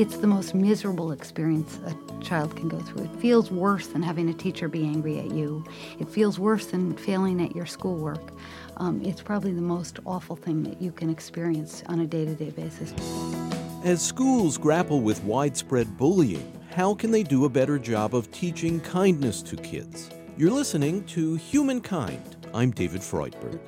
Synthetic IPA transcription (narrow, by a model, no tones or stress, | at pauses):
ɨtsðəmoʊst̚mɪzə˞əbl̩ˠɨkspɪɹiɨ̃nsɨ | t͡ʃʰaɪlˠd̚kʰn̩ɡoʊθɹʉ̰ɨtfilˠzwɜ˞sðɨ̃nɦævɪ̃ŋɨtʰit͡ʃə˞biæ̃ŋɡɹiɨ̰t͡ʃʉ | ɨtfilˠzwɜ˞sðɨ̃nfeɪlˠɪ̃ŋɨ̰t͡ʃə˞skulˠwɜ˞k | ʔʔɪtspʰɹ̥ɑbəbliðəmoʊstɔfl̩ˠθɪ̃ŋðɨ̰t͡ʃɨkʰɨ̃nɨkspɪɹiɨ̃nsn̩ɨdeɪɾɨdeɪbeɪsɨs | ɨz̥skulˠzɡɹæpl̩ˠwɪðwaɪd̥spɹɛd̚bʊlˠjɨ̰̃ŋ | haʊkʰɨ̃nðeɪdɨəbɛɾə˞d͡ʒɑbʌv̥tʰit͡ʃɪ̃ŋkʰãɪ̃nnɨstʰɨkʰɪ̰dz̥ | jə˞lɪsɨnɪ̃ŋtʰɨhjʉmɨ̃nkʰãɪ̃nd̥ | ã̰ɪ̃mdeɪvɨd̥fɹɔ̰ɪt̚b̥ə̰˞ɡ̥